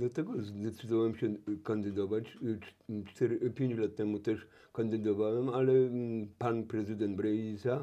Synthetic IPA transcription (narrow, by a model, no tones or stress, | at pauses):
d̪at̪ɛɡɔzd̪ɛt͡sɨd̪ɔwɛmɕɛkand̪ɨd̪ɔvat͡ɕ | t͡ʂt̪ɛɾpʲjeɲʲt͡ɕlat̪ːɛmut̪ɛʂ | kand̪ɨd̪ɔvawɛmalɛpanpɾɛzɨd̪ɛnt̪bɾɛisa